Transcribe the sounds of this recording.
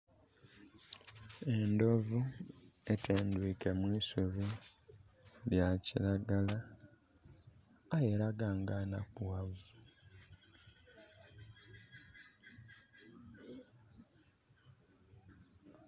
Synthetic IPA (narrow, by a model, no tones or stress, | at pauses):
e̞ndo̞vue̞tʰeːndwiːke̞mwiːsuβi | ljaciɾaɡala | jeɾaɡaŋɡana̰kuwavu